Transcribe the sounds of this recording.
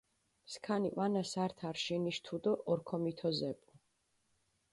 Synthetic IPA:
mskʰaniʔʼanasaɾt̪ʰaɾʃiniʃt̪ʰud̪ɔʔɔɾkʰɔmit̪ʰɔzɛpʼu

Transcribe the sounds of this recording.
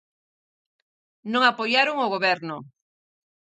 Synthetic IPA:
nõŋapojaɾoŋoɣoβɛɾnʊ

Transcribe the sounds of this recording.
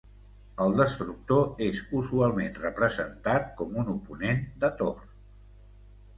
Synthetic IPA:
əlˠd̪əst̪ɾuk̚t̪oezuzualˠmenrəpɾəzənt̪at̪̚kɔmunupunend̪ət̪or

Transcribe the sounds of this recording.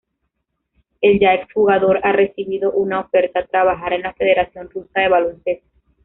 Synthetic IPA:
e̞ld͡ʒaeksxuɣaðo̞ɾare̞siβiðo̞ʔunao̞fe̞ɾt̪at̪ɾaβaxaɾe̞nlafe̞ð̞e̞ɾasjo̞nrusaðe̞βalonse̞st̪o

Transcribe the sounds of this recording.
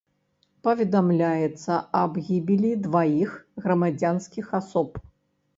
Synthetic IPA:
pɐvʲɛd̪amlʲajɛt̪sːɐɐbɣʲibʲilʲid̪vajixɣɾɐmad͡zʲanskʲixasɔp

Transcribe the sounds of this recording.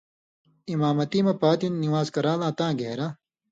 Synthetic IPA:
imaːmɐt̪iːmɐpaːt̪inːiwaːzkɐɾaːlãːt̪ãːɡeːɾa

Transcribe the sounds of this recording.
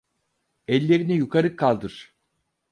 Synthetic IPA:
ɛlʲːe̞ɾinɛjukʰaɾɯkʰːalˠd̪ɯɾ̥

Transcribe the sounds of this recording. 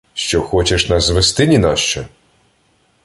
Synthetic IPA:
ʃt͡ʃɔxɔt͡ʃeʃnɐzʋest̪ɪnʲinɑʃt͡ʃɛ

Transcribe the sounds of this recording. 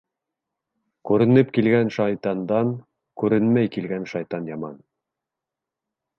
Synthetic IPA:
kʉɾɘ̆nɘpkilɡænʃɑjt̪ɑnd̪ɑŋ | kʉɾɘnmæjkilɡænʃɑjt̪ɑnjɑmɑn

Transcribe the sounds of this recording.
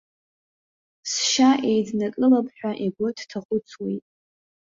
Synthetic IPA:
sʃaʔejdnakʼɨlapʰʼħᶣʷaʔeɡʷʊtʰtʰaχʷʼʊt͡sʰwejtʼ

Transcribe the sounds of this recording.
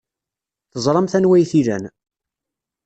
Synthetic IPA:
θəzˤɾˤɑmθænwæjθilæ̰n

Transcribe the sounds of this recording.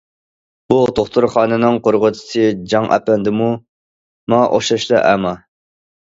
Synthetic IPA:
but̪ʰoχt̪uɾχɑːnɨnɨŋqoɾʁʊt̪ʰɪ̥sɨd͡ʒɑŋʔɑ̰pɛnd̪ɨmu | mɑʔo̰ʃɑʃlˠɑʔæmɑ

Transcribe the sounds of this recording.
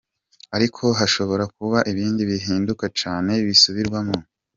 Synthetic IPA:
aɾikʰo̞ɦaʃo̞βo̞ɾak̚uβaʔiβiːndiβiɦiːndukat͡ʃaːne̞βisuβiɾɡwamŋo

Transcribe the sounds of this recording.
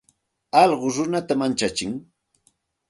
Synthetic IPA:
ɑʎɢʊɾʊnat̪amant͡ʃat͡ʃɪŋ

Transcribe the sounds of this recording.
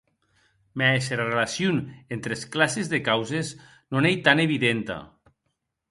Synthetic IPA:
mɛeseɾarelasjunent̪ɾesklasezðekawzez | nonejt̪aneβiðent̪a̰

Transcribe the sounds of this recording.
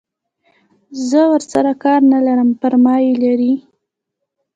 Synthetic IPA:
zəwəɾsaɾakɑɾnalaɾəmpəɾmɑjelaɾi

